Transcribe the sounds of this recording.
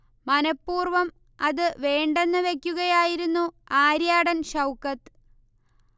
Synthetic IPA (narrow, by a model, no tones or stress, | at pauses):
mɐnɐpːuːrʋɐm | ɐðɨʋe̞ːɳɖe̞nːɨʋe̞kʲːuɣɐjaːjiɾunːuaːɾjaːɽɐnɕɐwkːɐt̪ːɨ